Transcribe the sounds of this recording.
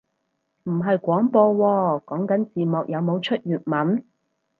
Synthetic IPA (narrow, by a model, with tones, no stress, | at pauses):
m̩˨˩ɦɐ˨jkʷɔː˨˥ŋpɔː˧wɔː˧kɔː˨˥ŋkɐ˨˥nt͡siː˨˩mɔː˨k̚jɐ˨˧wmo˨˧wt͡ʃʰɵ˥t̚jyː˨t̚mɐ˨˥n